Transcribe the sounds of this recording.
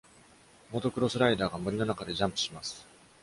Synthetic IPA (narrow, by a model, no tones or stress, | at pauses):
mo̞t̪o̞kɯ̟ɾo̞sɨɾaid̪aːɡamoɾʲino̞nakad̪e̞ʑãmpɯ̟̥ɕimasɨ̥